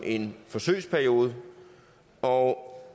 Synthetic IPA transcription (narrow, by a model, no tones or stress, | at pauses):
ʔe̝nfɒ̽sø̰ɪspʰæɐijo̝ːð̞ˠə | ɒ